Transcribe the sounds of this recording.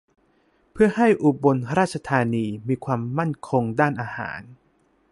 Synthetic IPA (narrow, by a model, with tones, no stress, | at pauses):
pʰɯ˥˩ɐha˥˩jʔu˨˩bo˧nɾaː˥˩t̪̚t͡ɕʰa˧t̪ʰaː˧niː˧miː˧kʰwaː˧mːa˥˩nkʰo˧ŋdaː˥˩nʔaː˧ha̰ː˩˦n